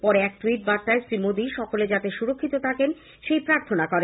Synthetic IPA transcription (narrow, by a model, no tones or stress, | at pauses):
pɔɾeɛk̚ʈuiʈ̚baɾt̪ːaesɾimod̪iʃɔkoled͡ʑat̪eʃuɾokʰːit̪ot̪ʰaken | ʃejpɾaɾt̪ʰonakɔɾe